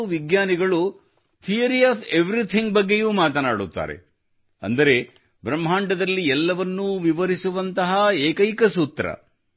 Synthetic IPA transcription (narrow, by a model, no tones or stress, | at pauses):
uʋiɡɲaːniɡɐɭu | t̪ʰijɐɾiaːpʰeʋɾit̪ʰiŋɡ̚bɐɡːe̞juːmaːt̪ɐnaːɽut̪ːa̰ːɾḛ | ɐ̰nd̪ɐɾe̞ | bɾɐmːɦaːɳɖɐd̪ɐlːiɛlːɐʋɐnːuʋiʋɐɾisuʋɐnt̪ɐɦɐeːkɐjkɐsuːt̪ːɾɐ̰